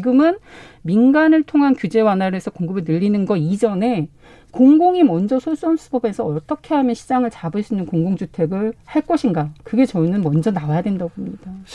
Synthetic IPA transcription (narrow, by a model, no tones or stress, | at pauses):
t͡ɕiɡɯmɯn | minɡanɯɭtʰoŋɦankjud͡ʑe̞wanɦaɾoesʰʌkoŋɡɯbenɯʎːinɯnɡʌid͡ʑʌne̞ | koŋɡoŋimʌnd͡ʑʌsʰoɭs͈ans͈ʰu̥bʌbe̞sʰʌʌt͈ʌkʰe̞ɦamjʌnɕʰid͡ʑaŋɯɭt͡ɕabɯɭs͈uinːɯnkoŋɡoŋd͡ʑutʰe̞ɡɯɭhaɭk͈ʌɕʰinɡakɯɡe̞t͡ɕʌinɯnmʌnd͡ʑʌnawajadwendabomɲid̥a